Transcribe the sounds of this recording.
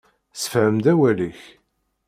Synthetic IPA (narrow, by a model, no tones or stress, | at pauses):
sə̥fʕəmd̪æwæliç